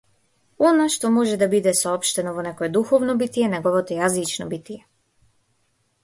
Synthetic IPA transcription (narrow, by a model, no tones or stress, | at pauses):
ɔnaʃt̪ɔmɔʒɛd̪abid̪ɛsɔɔpʃt̪ɛnɔvɔnɛkɔɛd̪uxɔvnɔbit̪ijɛnɛɡɔvɔt̪ɔjazit͡ʃnɔbit̪ijɛ